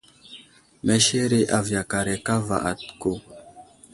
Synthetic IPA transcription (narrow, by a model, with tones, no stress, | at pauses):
mɛ˦ʃe˦ɾe˦ʔa˨vja˨ka˨ɾe˨ka˦va̰˨ʔa˨tko˦˨